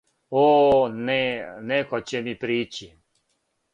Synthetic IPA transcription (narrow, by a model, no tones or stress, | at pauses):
oːnɛnɛkot͡ɕɛmipɾiːt͡ɕi